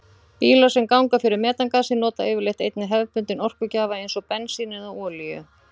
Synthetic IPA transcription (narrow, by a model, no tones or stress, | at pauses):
piːlasɛmkawŋkafɪɾɪɾmɛːt̪aŋkaːsɪnɔːt̪aeːvɪɾlejht̪ejt̪nɪɦɛvpʏnt̪ɪnɔr̥kʏcaːvaejnsɔpɛnsinɛðaɔːlijʏ̰